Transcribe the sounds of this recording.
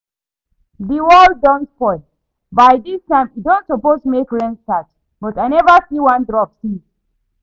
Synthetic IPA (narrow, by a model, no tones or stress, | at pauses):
ðiwɔldɔ̃ntpɔɪ | bajdistãɪ̃midõntsɔpostumekɹɛ̃nstats | b̥ɔtajnɛvəsiwãndɹɔpsi